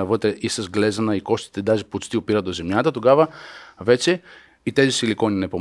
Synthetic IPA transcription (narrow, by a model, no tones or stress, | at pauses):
ɐvɤt̪ɾɛʔisəzɡlɛzɐnɐikɔst̪i̥t̪ɛd̪aʒipot͡ʃt̪iopiɾɐt̪d̪ozɛmjat̪ɐt̪oɡavɐvɛt͡ʃɛ | it̪ɛzisilikɔninɛpom